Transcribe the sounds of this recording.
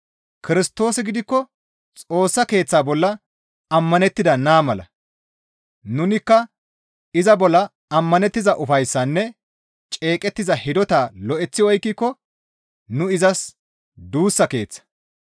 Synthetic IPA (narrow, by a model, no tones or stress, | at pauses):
kɪɾɪst̪o̞ːsɪɡɪd̪ɪkːɔ | t͡sʼo̞ːsːɐke̞ːt͡sːaːbɔlːɐ | ɐmːɐnɛt̪ːɪd̪ɐnaːmɐlɐ̰ | nʊnɪkːɐ | ɪzɐbɔlːɐ | ɐmːɐnɛt̪ːɪzɐʔʊfɐjsːɐnːɛ | t͡ʃʼe̞ːkʼɛt̪ːɪzɐhɪd̪ɔt̪aːlɔʔɛt͡sːɪɔjkːikːɔ | nʊɪzɐs | d̪uːsːɐke̞̰ːt͡sːɐ̥